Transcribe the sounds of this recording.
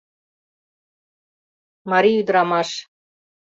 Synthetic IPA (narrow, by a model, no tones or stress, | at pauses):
mɑɾiyd̪ɾɑmɑʃ